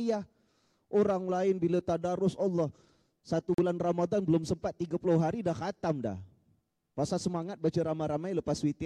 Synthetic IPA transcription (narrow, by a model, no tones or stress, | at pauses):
jah | ʔoɾaŋlaɪnbilat̪adaɾʊsɔlːɔh | sat̪ubulanramadanbəlʊmsəmpat̪ːiɡapulʊɦaɾidahkat̪amda̰h | pasasəmaŋat̪̚bat͡ʃəɾamaɾamajləpaswit̪